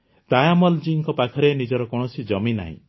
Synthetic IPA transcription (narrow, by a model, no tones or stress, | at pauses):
t̪ajamɔld͡ʒiŋkɔpakʰɔɾenid͡ʒɔɾɔkɔɽ̃ɔsid͡ʒɔmina̰ɦḭ̃